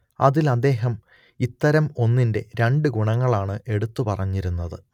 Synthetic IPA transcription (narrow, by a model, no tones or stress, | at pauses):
ɐ̰ðilɐd̪ːe̞ːɦɐm | it̪ːɐɾɐmo̞nːinde̞ɾe̞ɳɖɨɡuɳɐŋːɐɭaːɳɨʔe̞ɽut̪ːupɐrɐɲːiɾunːɐðɨ